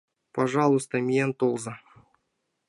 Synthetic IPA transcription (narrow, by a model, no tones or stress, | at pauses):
pɐʐɑlˠʊst̪əmʲijent̪olˠzə